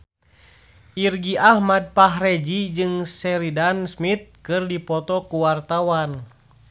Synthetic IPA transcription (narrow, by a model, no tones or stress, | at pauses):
ʔirɡiʔahmad̚paɦrɛd͡ʒid͡ʒɨŋsɛɾidansmit̪̚kɨrdipɔt̪ɔkuwart̪awan